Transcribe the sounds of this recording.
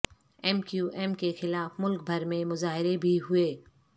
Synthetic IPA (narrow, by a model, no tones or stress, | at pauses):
ɛːmkjuːʔɛːmkexɪlaːfmʊlk̚bʱɐɾmẽmʊzaːɦɪɾebʱiɦʊeː